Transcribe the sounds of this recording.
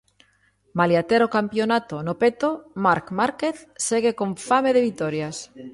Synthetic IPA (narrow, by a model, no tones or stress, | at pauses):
maljat̪eɾokampjonat̪onopet̪omaɾkmaɾkeθseɣ̞ekoɱfameðeβit̪oɾjas